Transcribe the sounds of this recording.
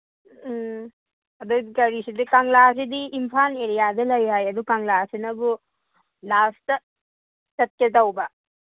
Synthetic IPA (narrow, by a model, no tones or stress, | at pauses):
ɐdukɐɾisidikaŋlas̬idiːmpʰaneɾijadɐlɐjɦajɐdukaŋlasinɐbu | lastɐ | tɐt̚ketawbɐ